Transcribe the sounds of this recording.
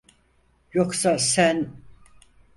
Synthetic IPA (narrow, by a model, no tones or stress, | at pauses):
joksasæn